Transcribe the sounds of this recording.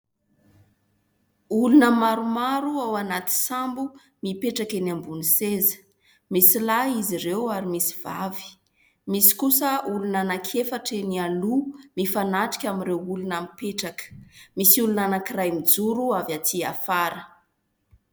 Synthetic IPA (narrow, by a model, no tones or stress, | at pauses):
ulunəmaɾumaɾuawanat̪i̥sambu | mipeʈ͡ʂakenambunisezə̥ | misilaiziɾewaɾimisi̥v̥a̰vi̥ | misi̥kusəulunanakʰefaʈ͡ʂenialumifanaʈ͡ʂi̥kʲamirewulunamipeʈ͡ʂakə̥misiulunanakirajmid͡zuɾuavjatia̰faɾə